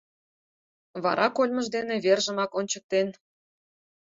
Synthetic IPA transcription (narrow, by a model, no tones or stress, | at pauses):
βɑ̰ɾʔɑkolʲməʒd̪eneβerʒəmɑkonʲt͡ɕək̚t̪en